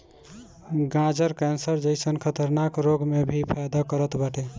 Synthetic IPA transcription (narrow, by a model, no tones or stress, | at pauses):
ɡãd͡ʒəɾkɛnsəɾd͡ʒəɪsənkʰət̪əɾnakɾoɡmebʱipʰajd̪akəɾət̪bəʈʰe